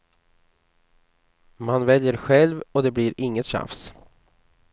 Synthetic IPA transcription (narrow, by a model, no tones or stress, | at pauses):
manvɛljəɾɧɛlvɔd̪ɛbliɾɪŋːət̪ɕa̰fs